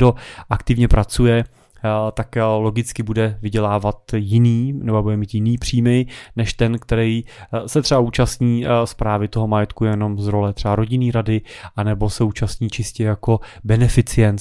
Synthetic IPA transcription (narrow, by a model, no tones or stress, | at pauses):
do̞ʔakt̪ɪvɲɛpɾat͡sujɛ | t̪akloɡɪt͡skɪbudɛvɪɟɛlaːvat̪jɪniːnɛbobudɛmiːt̪jɪniːpr̝̥iːmɪnɛʃt̪ɛnkt̪ɛɾɛjsɛt̪r̥ɛbaʔuːt͡ʃast̪ɲiːspɾaːvɪt̪o̞ɦo̞majɛt̪kujɛno̞mzɾo̞lɛt̪r̥ɛbaɾo̞ɟɪniːɾadɪ | ʔanɛbo̞sɛuːt͡ʃast̪ɲiːt͡ʃɪscɛjako̞bɛnɛfɪt͡sɪɛnt̪